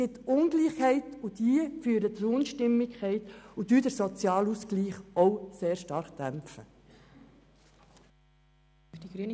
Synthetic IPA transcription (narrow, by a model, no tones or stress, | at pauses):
ɪtːʊnɡliːχhɛɪtud̥iəfyːɾət͡sɾʊnʃtɪmːɪkkχɛɪtud̥yːd̥əɾsɔt͡sjɑːluskliːχʔɔʊseːɾʃtɑɾχd̥æmpfə̰ | d̥iɡɾyn